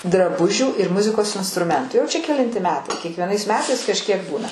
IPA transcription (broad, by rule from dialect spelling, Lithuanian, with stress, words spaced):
drɐˈbʊʒʲuː ɪr ˈmʊzʲɪkoːs ɪnstrʊˈmʲɛntʊ jɛʊ t͡ʃʲɛ kʲɛˈlʲɪnʲtʲɪ ˈmʲæːtɐɪ kʲiɛkʋʲiɛˈnɐɪs ˈmʲæːtɐɪs kɐʃʲˈkʲiɛk ˈbuːnɐ